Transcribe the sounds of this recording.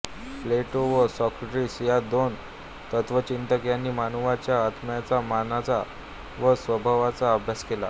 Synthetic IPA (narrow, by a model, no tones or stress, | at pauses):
fleʈoʋəsɔkɾʈɾiːsjad̪on | t̪ət̪ʋət͡ɕint̪əkjanːiːmanuʋat͡ɕjaːt̪mjat͡samanat͡sa | ʋəsʋəbʱaʋat͡saəbʱjaskela̰